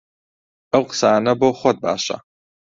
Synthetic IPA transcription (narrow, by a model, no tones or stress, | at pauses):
ɨwqsaːnɐboːχʷɔt̪̚ba̰ːʃa̰